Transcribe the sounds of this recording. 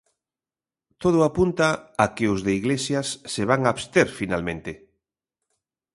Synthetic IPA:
t̪oð̞ʊapunt̪aakeʊzðeiɣlesjasːeβ̞aŋaːβst̪eɾfinalmẽnt̪e

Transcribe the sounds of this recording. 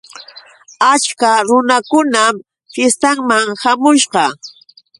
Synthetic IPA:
at͡ʃkaɾʊnakʊnam | fjest̪aŋmaŋhamʊʃɢɑ

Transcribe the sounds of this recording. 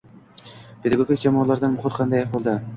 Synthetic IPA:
pʰe̞d̪aɡoɡʲik̚ʲd͡ʒamɒːlˠaɾd̪anmʊχʊɾˠqʰɑnd̪ajɑqbolˠd̪ɪ

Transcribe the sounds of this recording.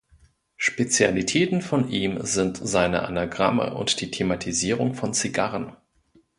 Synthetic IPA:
ʃpet͡sjalitʰɛːtn̩fɔnʔiːmzɪntz̥aɪnə̰ʔa̰naɡʁamə̰ʔʊ̰ntd̥iːtʰematʰiziːʁʊŋfɔnt͡siɡaʁən

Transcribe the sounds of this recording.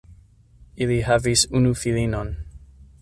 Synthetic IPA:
ilihavisunufilinɔn

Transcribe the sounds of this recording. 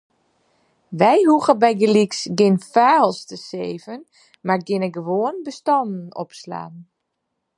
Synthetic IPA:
ʋɛjhuɣəbɛjɡəliksɡɪnfaːlˠstəseːvən | marɡɪnəɡəʋoənbəstɑndn̩ɔ̰psla̰ːn

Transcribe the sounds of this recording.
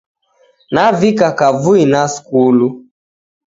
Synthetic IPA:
navikakavuinaskulu

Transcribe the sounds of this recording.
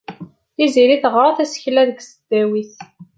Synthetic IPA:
iziɾiθəʁɾˤɑθæsçlæðəɡsəd̪̥ːæwiθ

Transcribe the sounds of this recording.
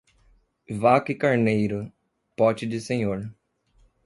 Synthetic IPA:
vakɪkaɾnejɾʊ | pɔt͡ʃɪdɪsẽɲoɾ

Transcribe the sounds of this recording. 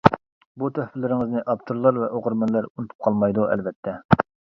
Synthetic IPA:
but̪ʰɛhfɪlːɪɾɪŋɪznɪʔɑpt̪ʰoɾlˠɑɾvɛʔoʁʊɾmɑnlæɾunut̪ʰu̥p̚qʰɑlˠmɑjd̪uɛ̰lvɛt̪ʰːɛ

